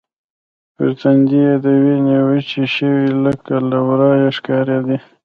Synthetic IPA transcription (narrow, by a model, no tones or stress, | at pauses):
pə̰ɾt̪and̪ied̪awinewət͡ʃeʃəwiləkalawɾɑjaʂkɑɾɑd̪i